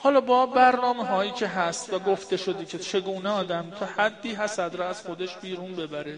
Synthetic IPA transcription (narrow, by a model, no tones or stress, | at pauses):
hɒːlɒːbɒːbæɾnɒːmeɦɒːjiːcʰe̞ɦæst̪væɡo̞ft̪e̞ʃo̞d̪iːkʲʰet͡ʃʰe̞ɡuːneɒːd̪æmt̪ʰɒːhæd̪ːiːɦæsæd̪ɾɒæz̥xo̞d̪eʃbiːɾuːnbe̞bæɾe